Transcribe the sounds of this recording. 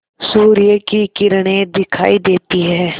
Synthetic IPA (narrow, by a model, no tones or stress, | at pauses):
suːɾɪjəkikɪɾɽ̃ẽd̪ɪkʰa̰ːid̪eːt̪iɦɛː